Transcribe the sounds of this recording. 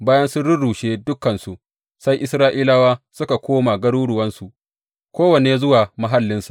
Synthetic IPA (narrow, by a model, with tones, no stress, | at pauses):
baː˦jɐ˦nsʊ˦ɽʊ˦ɽuː˨ʃeː˦dʊ˦kːɐ˨nsu˨ʔ | sa˦jʔɪ˦sɾaː˦ʔiː˦la˦waː˦sʊ˦ka˨kʷoː˦ma˨ɡɐ˦ɽuː˦ɽʊ˨wɐ˦nsu˨ʔ | kʷoː˦wɐ˨neː˨zʊ˦waː˨ma˦ɦa˦lːɪ˦nsu̥˨